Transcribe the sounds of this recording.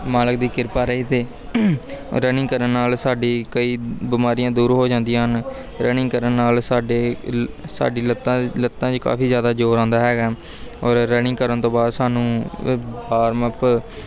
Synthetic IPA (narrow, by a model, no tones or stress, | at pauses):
maːlək̚d̪iːkɪɾpaːɾəit̪eː | ɾənɪ̃ŋkəɾənːaːlsaːɖiːkəiːbɪmaːɾijãːd̪uːɾɦoːd͡ʒãːnd̪ijãːɦən | ɾənɪ̃ŋkəɾənːaːlsaːɖeːsa̰ːɖiːlət̪ãlət̪ːãːt͡ʃka̰ːfiːzjaːd̪aːd͡ʒoːɾãːnd̪aːɦɛːɡaː | ɔːɾːənɪ̃ŋːkəɾənt̪õːbaːd̪saːnũːbaːɾməp